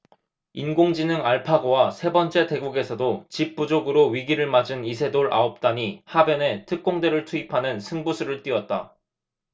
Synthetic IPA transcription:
inɡoŋd͡ʑinɯŋaɭpʰaɡowasʰe̞bʌnt͡ɕ͈e̞te̞ɡuɡe̞sʰʌdot͡ɕip͈̚ud͡ʑoɡɯɾoɥiɡiɾɯɭmad͡ʑɯnisʰe̞doɾʔa̰op̚t͈aɲihabjʌne̞tʰɯk̚k͈oŋde̞ɾɯɭtʰuipʰanɯnsʰɯŋbusʰuɾɯɭt͈iʌt̚t͈a̰

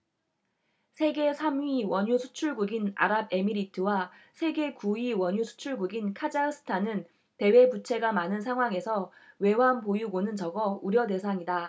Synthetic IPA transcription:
sʰe̞ɡe̞sʰamɥiwʌɲusʰu̥t͡ɕʰuɭɡuɡina̰ɾab̚e̞miɾitʰɯwasʰe̞ɡe̞kuiwʌɲusʰu̥t͡ɕʰuɭɡuɡinkʰad͡ʑaɯs͈ʰɯ̥tʰanɯn | te̞we̞but͡ɕʰe̞ɡamanɯns̬ʰaŋɦwaŋe̞sʰʌ | we̞wanpojuɡonɯnt͡ɕʌɡʌuɾjʌde̞sʰaŋida

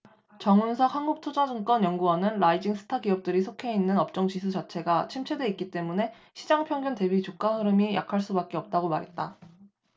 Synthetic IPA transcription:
t͡ɕʌŋunsʰahanɡuk̚tʰod͡ʑad͡ʑɯŋk͈ʌnjʌŋɡuwʌnɯnɾaid͡ʑiŋsʰɯ̥tʰaɡiʌp̚t͈ɯɾisʰokʰe̞inːɯnʌp̚t͡ɕ͈ʌŋt͡ɕisʰud͡ʑat͡ɕʰe̞ɡat͡ɕʰimt͡ɕʰedwe̞ik͈it͈e̞mune̞ | ɕʰid͡ʑaŋpʰjʌŋɡjunte̞bit͡ɕok͈ahɯɾɯmija̰kʰaɭs͈ubak͈̚e̞ʌp̚t͈aɡomaɾɦe̞t̚t͈a

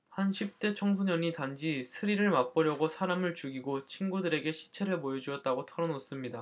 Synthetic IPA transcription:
hanɕʰip̚t͈e̞t͡ɕʰʌŋsʰoɲʌɲitand͡ʑisʰɯɾiɾɯɭmap͈ʌɾjʌɡosʰaɾamɯɭt͡ɕuɡiɡot͡ɕʰinɡudɯɾe̞ɡe̞ɕʰi̥t͡ɕʰe̞ɾɯɭpojʌd͡ʑuʌt̚t͈aɡotʰʌɾʌnos͈ɯmɲida

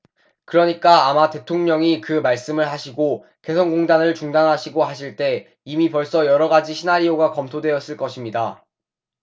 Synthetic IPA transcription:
kɯɾʌɲik͈aːmate̞tʰoŋɲʌŋikɯmaɭs͈ɯmɯɭɦaɕʰiɡo | ke̞sʰʌnɡoŋdanɯɭt͡ɕuŋdanɦaɕʰiɡoɦaɕʰiɭt͈e̞ | imipʌɭs͈ʌjʌɾʌɡad͡ʑiɕʰinaɾioɡakʌmtʰodwe̞jʌs͈ɯɭk͈ʌɕʰimɲida

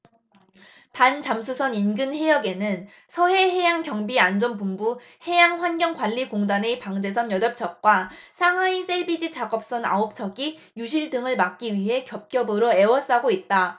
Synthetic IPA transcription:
pant͡ɕamsʰusʰʌninɡɯnhe̞jʌɡe̞nɯn | sʰʌɦe̞ɦe̞jaŋkjʌŋbiand͡ʑʌnpumbu | he̞jaŋɸwanɡjʌŋɡwaʎːikoŋdanepaŋd͡ʑe̞s̬ʰʌnjʌdʌp̚t͡ɕʰʌk̚k͈wasʰaŋwais͈ʰebid͡ʑit͡ɕaɡʌp̚s͈ʌna̰op̚t͡ɕʰʌɡi | juɕʰiɭdɯŋɯɭmak̚k͈iɥiɦe̞kjʌp̚k͈jʌbɯɾoe̞wʌs͈aɡoit̚t͈a

